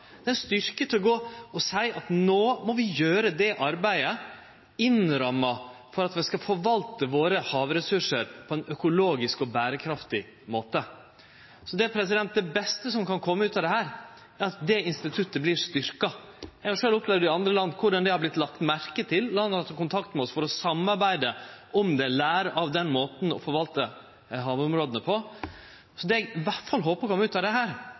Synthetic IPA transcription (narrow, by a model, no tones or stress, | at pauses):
d̪̥ɛːst̪ʏɾkət̪ʰɪlɔɡoːɔsæɪʔɑt̪noːmɔʋɪjøːɾəd̪ɛʔɑɾbæɪə | ɪnɾɑmːɑfɔɾɑt̪ʋɛskɑfɔɾʋɑlt̪əʋoːɾəhɑːʋɾɛsʉʂəɾpʰɔɛnœkʊloːɡɪskɔbæːɾəkʰɾɑft̪ɪ | moːt̪ə | sɔd̪ɛæɾpʰɾɛs̬ɪd̪ɛnt̪̚d̪ɛbɛst̪əsɔmkɑnkʰɔmːəʉːt̪ɑd̪ɛhæːɾ | æɾɑt̪̚d̪ɛɪnst̪ɪt̪ʰʉt̪ːəblɪɾʂt̪ʏɾkɑ | jɛɡhɑɾʂøːlʊpleːʋəɖɪɑnd̪ɾəlɑnd̪kʰʊɖɑnd̪ɛhɑɾblɪt̪ːlɑk̚t̪mæɾkət̪ʰɪllɑnːɑt̪ːɑkʊnt̪ʰɑkt̪mɛɔsfɔɾɔsɑmːɑɾbæɪd̪əʔɔmd̪ɛlæːɾəʔɑʋd̪ɛnmoːt̪n̩ɔ̰fɔɾʋɑlt̪ə | ɦɑːʋɔmɾoːd̪ənəpʰɔ | sɔd̪ɛɛɡʋæʈfɑlɦoːpəɾkʰɔmːəʉːt̪ɑʋd̪ɛɦæːɾ